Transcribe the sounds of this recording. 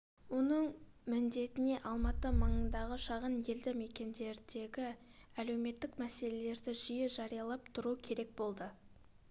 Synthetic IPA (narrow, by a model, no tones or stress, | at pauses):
wo̞nəɴ | mɪnd̪e̞t̪ɪne̞ʔɑlˠmɑt̪əməɴənd̪ɑʁəʃɑʁənje̞ld̪ɪme̞kʲe̞nd̪e̞ɾd̪e̞ɡʲɪæle̞wme̞t̪ːɪkmæse̞le̞le̞ɾd̪ɪʒijəʒɑɾijɑlˠɑpt̪ʰʊɾukʲʰe̞ɾe̞k̚bo̞lˠd̪ə